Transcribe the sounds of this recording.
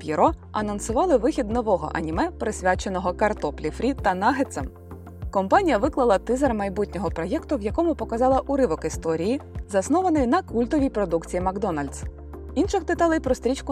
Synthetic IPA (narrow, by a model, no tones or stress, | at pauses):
pʲiɾɔɐnɐnsʊʋɑlˠɪʋɪxʲid̪nɔʋɔɦɔ̰ʔɐ̰nʲimɛpɾesʲʋʲat͡ʃe̞nɔɦɔkɐrt̪ɔplʲifɾʲit̪ɐnɑɦet̪sɛm | kɔmpɑnʲijɐʋɪklˠɐlˠɐt̪ɪzɐrmɐjbutʲnʲɔɦɔpɾɔjɛkt̪ʊʋjɐkɔmʊpɔkɐzɑlˠɐʔʊɾɪʋɔkɪst̪ɔɾʲijizɐsnɔʋɐnɪjnɐkulʲt̪ɔʋʲijpɾɔd̪ukt͡sʲijimɐɡd̪ɔnɐlʲd̪s | inʃɪxt̪ɪt̪ɑlˠɪjpɾɔst̪ɾʲit͡ʃkʊ